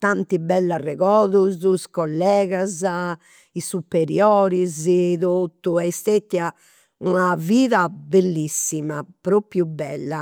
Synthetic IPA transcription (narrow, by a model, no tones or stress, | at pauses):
t̪ant̪ibɛlːarɛɣɔːðuzuskɔlːɛːɣaza | isupːeɾjɔːɾiziðot̪ːuɛjst̪et̪ːja | unaviːðabelːisːimapɾopjubɛlːa